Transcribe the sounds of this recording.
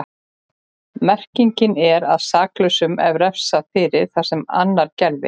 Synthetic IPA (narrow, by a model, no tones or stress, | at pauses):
mɛr̥ciɲcɪnɛɾaðsaːklœsʏmɛvɾɛfsafɪːɾɪɾ̥θḁsɛma̰nːaɾcɛɾvɪ̰